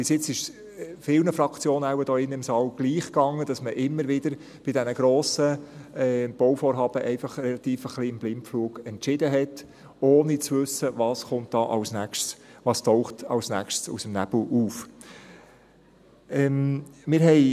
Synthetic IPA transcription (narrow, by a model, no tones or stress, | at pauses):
b̥ɪsjɪt͡sɪʃ | fɪlnəfɾɑkt͡sjoːnəawəd̥̪ɔːɪnːəɪmsɑːlɡ̥liːχkɑŋːəd̥ɑsməʔɪmːəɾʋɪd̥̪əɾ | b̥ɪdɛnəɡɾoːsəɛb̥ɔwfoːɾɦɑːb̥əʔɛɪfɑχɾɛlɑt̪iːfəχliɪmblɪmpfluːɡɛntt͡ʃɪd̥əɦɛt | oːnit͡svʏsəvɑːsχʊnt̚d̥ɑːʔɑwsnækʃsʋɑːstɔʊχtɑ̰wsnækʃsṵsəmnæb̥l̩uːf | ɛmmɪːɾɦɛɪ